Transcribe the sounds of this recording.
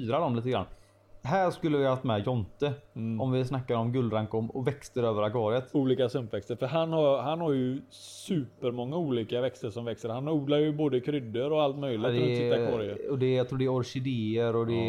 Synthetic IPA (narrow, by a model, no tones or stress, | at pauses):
yːɾad̪ɔmliːt̪əɡɾa̰nː | ɦæːɾʂkɵlːəvɪhhaft̪mɛjɔnt̪əɔmvɪsnakːaɾɔmɡɵld̪ɾaŋkɔmɔvɛkst̪əɾøːvəɾaɡɑːɾɪət̪uːliːkasɵmpvɛkst̪əɾfœɾɦanhaɾɦanhaɾjɵ | sʉːpəɾmɔŋːauːliːkavɛkst̪əʂɔmvɛkst̪əɾhanuːd̪laɾjɵboːd̪əkʰɾʏd̪ːəɾɔalt̪mœjlɪd̪ɛːakɑɾɪəɔd̪ɛjɑt̪ʰɾuːɖɛɔɾʂɪd̪eːəɾɔd̪ɛ